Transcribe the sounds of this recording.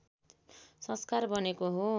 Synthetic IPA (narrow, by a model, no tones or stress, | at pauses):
sʌ̃skarbʌnekoɦo